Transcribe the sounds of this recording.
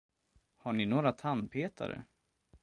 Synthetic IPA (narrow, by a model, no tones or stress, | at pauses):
haɳɪnoːɾat̪ʰanpʰeːt̪ʰa̰ɾə̰